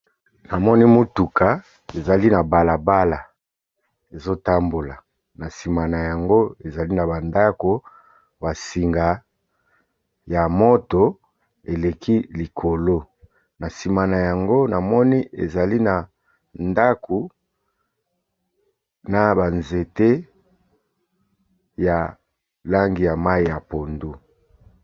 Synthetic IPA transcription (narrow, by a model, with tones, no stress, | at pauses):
na˨mɔ˦ni˦mo˦tu˨ka˨ | e˨za˨li˦na˨ba˨la˨ba˦la˨ | e˨zo˦ta˦mbo˨la˨ | na˨si˨ma˨na˨ja˨ŋɡo˦e˨za˨li˦na˨ba˨nda˦ko˨ | ba˨si˨ŋɡa˨ | ja˨mo˦to˨ | e˨le˨kʰi˦li˨kʰo˨lo˦ | na˨si˨ma˨na˨ja˨ŋɡo˦na˨mɔ˦ni˦ʔḛ˨za˨li˦na˨ | nda˦ku˨ | na˨ba˨nze˨te˦ | ja˨ | la˦ŋɡi˨ja˨ma˦i˨ja˨po˨ndu˦